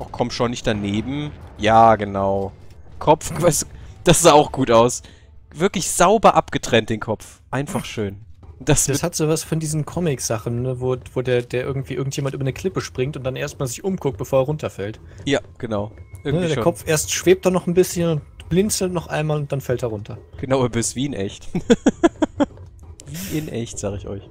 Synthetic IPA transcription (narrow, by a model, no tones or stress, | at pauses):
ʔaʊkʰɔmtʃoːnːɪçtd̥aneːbm̩jaːɡənaʊkʰɔpp͡fɡvasd̥asz̥aːaʊxɡ̥uːtaʊs | v̥ɪɐklɪçz̥aʊbɐʔapɡ̥ətʁ̥ɛnt̚d̥eːnkʰɔpf | ʔaɪnfaχʃøːnd̥asd̥ashatz̥oːvasfɔndiːzn̩kʰɔmɪkz̥aχn̩ːəvoːvoːdeːɐdeːɐʔɪɐɡŋ̩tv̥iːʔɪɐɡŋ̩tjeːmantʔyːbɐnəkʰl̥ɪpəʃpʁ̥ɪŋtʊntd̥anʔeːɐst̚maːlzɪçʔʊmkʰʊk̚t̚b̥əfoːɐɛɐʁʊntʰɐfɛlt | jaːɡ̥ənaʊʔɪɐɡnəideːɐkʰɔp͡fʔeːɐstʃv̥eːp̚td̥anɔχn̩bɪsçənʊntb̥lɪnt͡sl̩tnɔχʔa̰ɪnmaːlʊntd̥anfɛltdeɐʁʊntʰɐɡ̥ənaʊɐbøsv̥iːɪnʔɛ̰çt | viːʔɪnʔɛçtz̥aːɡəɪçɔ̰ʏç